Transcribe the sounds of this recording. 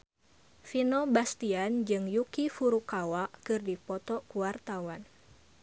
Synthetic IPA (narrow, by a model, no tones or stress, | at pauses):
finɔbast̪iand͡ʒɨŋjukifuɾukawakɨrdipɔt̪ɔkuwart̪awan